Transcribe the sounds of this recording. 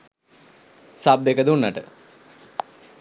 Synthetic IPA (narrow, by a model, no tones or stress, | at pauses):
sab̚d̪ekəd̪unːaʈə